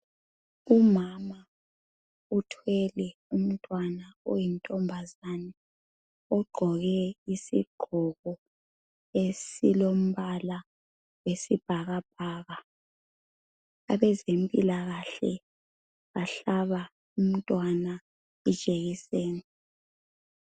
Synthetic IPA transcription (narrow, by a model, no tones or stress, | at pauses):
umama | utʰwɛlɛum̩tʼwanaɔjintʼɔmbʱazanɛ | ɔɡ͡ǃʱɔɣɛisḭɡ͡ǃ̥ʱɔɣɔ | esḭlom̩βala | wesib̥ʱaɣab̥̚ʱaːɣa | aβɛzempʼḭlaɣaɬɛ | ɣaɬaβa | um̩tʼwana | id̥ʒ̥ʱʼeɣiseːni